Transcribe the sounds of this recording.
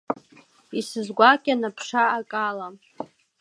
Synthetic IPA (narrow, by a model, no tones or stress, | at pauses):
isɨzɡʷakʲʼanapʰʂaːkʼala